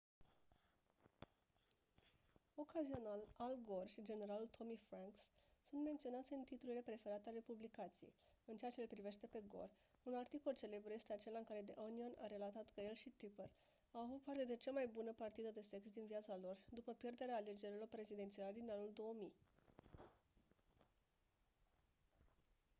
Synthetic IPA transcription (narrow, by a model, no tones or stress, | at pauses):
o̞kazio̞nalalɡo̞rʃid͡ʒe̞ne̞ɾalult̪ʰo̞mifɾaŋkssunt̪me̞nt̪sionat̪sʲɨnt̪it̪uluile̞pɾe̞fe̞ɾat̪ealepublikat̪sijejɨnt͡ʃeat͡ʃelepɾive̞ʃt̪e̞pe̞ɡo̞̰r | unart̪iko̞lt͡ʃe̞le̞bɾuje̞st̪e̞at͡ʃe̞laɨŋkaɾe̞d̪eʔoniona̰ɾe̞lat̪at̪kəje̞lʃit̪ipər | awavut̪̚part̪e̞d̪e̞t͡ʃamajbunəpart̪id̪əd̪e̞se̞ksd̪inviat̪salo̞rd̪upəpje̞rd̪e̞ɾeaːle̞d͡ʒe̞ɾilo̞rpɾe̞zid̪e̞nt̪sialed̪inanuld̪o̞ːmi